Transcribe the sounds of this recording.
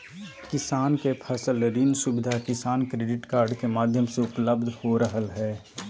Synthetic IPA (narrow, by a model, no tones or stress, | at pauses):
kɪsaːnkepʰəsələɾiːnsʊbɪd̪ʱakɪsaːnkɾeːɖɪʈkaːɾɖkemaːd̪ʱjəmseʊpləbd̪ʱhoɾəɦəlɦɛː